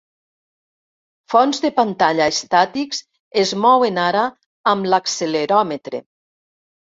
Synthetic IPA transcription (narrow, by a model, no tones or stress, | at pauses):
fɔnzðepant̪aʎaest̪at̪iks | ezmɔwenaɾaː | mlakseleɾɔmet̪ɾḛ